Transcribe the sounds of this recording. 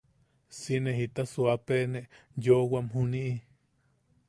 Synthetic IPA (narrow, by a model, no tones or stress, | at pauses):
sineɦit̪asuapeneʔjowamɦuniʔi